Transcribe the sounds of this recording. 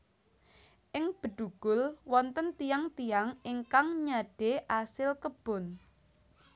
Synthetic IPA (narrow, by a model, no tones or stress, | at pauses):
ʔɪŋb̥ə̤ɖ̪̥uɡ̥ʊ̤lwɔnt̪ənt̪ijaŋt̪ijaŋɪŋkaŋɲaɖ̥eʔasɪlkəb̥ʊ̤n